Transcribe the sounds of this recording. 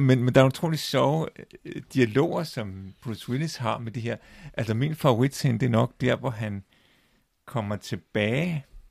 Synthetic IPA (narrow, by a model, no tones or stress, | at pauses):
menmend̥ɑ̈æut͡sʰʁo̝̰ːli̥sɒʊd̥iælo̝̰ːɐsɒ̽mb̥ʁuswilisɦɑ̈med̥iɦe̝ɐ̰ʔælsɐmḭnfɑ̈oʁid̥send̥e̝æɐnɒ̽ɡ̥̚d̥æɐ̰ʋɒɦæn | kʰɒ̽mɐt͡sʰe̝b̥ɛː